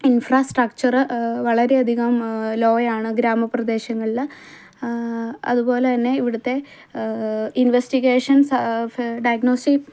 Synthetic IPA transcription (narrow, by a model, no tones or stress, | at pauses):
infraːsʈrɐkt͡ɕɐrɨʋɐɭɐɾe̞ɐd̪ʱiɣɐmlo̞ːɐjaːɳɨɡɾaːmɐprɐd̪e̞ːɕɐŋːɐɭilːɐ | ɐ̰ðubo̞ːlet̪ɐnːe̞iʋiɽut̪ːe̞ | inʋesʈiɣeːʂɐns | ɖɐjɐɡnoːsʈip